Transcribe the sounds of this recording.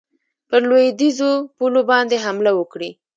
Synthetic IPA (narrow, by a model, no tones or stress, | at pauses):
pəɾlojd̪izopulobɑnd̪eɦamlawəkɽi